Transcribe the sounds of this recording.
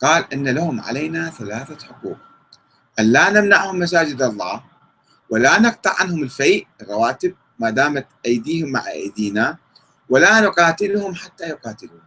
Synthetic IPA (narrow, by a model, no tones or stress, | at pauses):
qɑːlʔɪnːalahʊmʕa̰lejnaθalaːθaħʊquːq | ʔanlaːnamnaʕhʊmːas̬aːd͡ʒɪd̪ɑlˤːɑː | wɪlaːnɨq̚t̪ˤɑʕanhʊmɪlfajʔɪrˤːɑwaːt̪ɪb̚ | maːd̪aːmat̪ʔajd̪iːhʊmːa̰ʕʔa̰jd̪iːna | walaːnʊqɑːt̪ɪlhʊmħat̪ːajʊqɑːt̪ɪluːn